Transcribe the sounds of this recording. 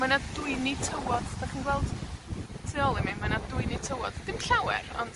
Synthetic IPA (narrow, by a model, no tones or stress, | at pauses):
manadʊɨnitʰəwɔd̥daχinɡwɛlˠd̥ | tʰeɔlˠimimanadʊɨnitʰəwɔd̥d̥ɪmɬawɛ̰ɾɔ̰nd̥